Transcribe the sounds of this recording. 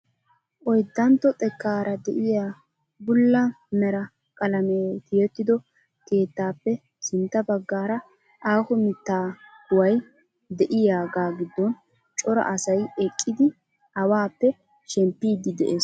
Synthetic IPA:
ʔɔjd̪ːɐnt̪ːɔt̪ʼɛkːaːɾʔɐd̪ɛʔɪjaː | bʊlːɐ | mɛɾɐ | kʼɐlɐmeːt̪ɪjɛt̪ːɪd̪ɔ | ke̞ːt̪ːaːpːɛ | sɪnt̪ːɐbɐɡːaːɾɐ | ʔaːhɔmɪt̪ːaːdʊwɐj | d̪ɛʔɪjaːɡaːɡɪd̪ːɔn | t͡ʃʼɔɾɐ̰ʔɐsɐjɛkʼːɪd̪ɪ | ɐwaːpːɛ | ʃɛmpːiːd̪ɪd̪ɛʔeːs

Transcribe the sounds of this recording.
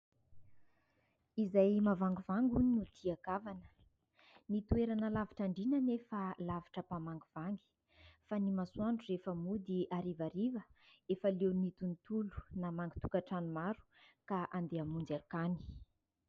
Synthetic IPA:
izajmavaŋɡuvaŋɡunut̪ʰiakavanə̥ | nit̪ueɾanəlaviʈ͡ʂaɳɖ͡ʐinənefəlavi̥ʈ͡ʂəpamaŋɡuv̥aŋɡi̥ | fanimasuaɳʈ͡ʂurefəmud̪iaɾivaɾivəefəlewnit̪unt̪ulu̥namaŋɡit̪u̥kaʈ͡ʂanumaɾu̥ | kaʔand̪eamund͡zakani̥

